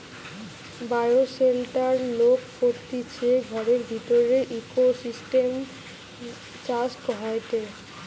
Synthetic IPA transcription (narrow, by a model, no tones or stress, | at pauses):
bajoselʈaɾlokfot̪ːit͡ɕʰeɡʱɔɾeɾbʱit̪oɾeɾʔikosisʈem | t͡ɕaskɦaeʈe